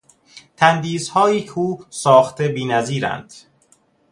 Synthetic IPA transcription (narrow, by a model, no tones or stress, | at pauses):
t̪ʰænd̪iːzhɒːjiːkʰeuːsɒːxt̪ʰebiːnæziːɾæ̰nd̪̥